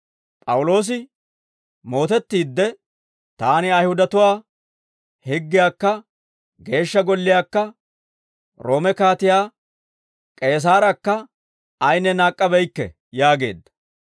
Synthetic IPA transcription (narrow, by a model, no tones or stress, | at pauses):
pʼɐwʊlo̞ːs̬ɪ | mo̞ːt̪ɛt̪ːiːd̪ːɛ | t̪aːnɪɐjhʊd̪ɐt̪ʊwaː | hɪɡːɪjaːkːɐ | ɡe̞ːʃːɐɡɔlːɪjaːkːɐ | ɾo̞ːmɛkaːt̪ɪjaː | kʼe̞ːs̬aːɾɐkːɐ | ɐjnːɛnaːkʼːɐbɛjkːɛ̰ | jaːɡe̞̰ːd̪ːɐ̥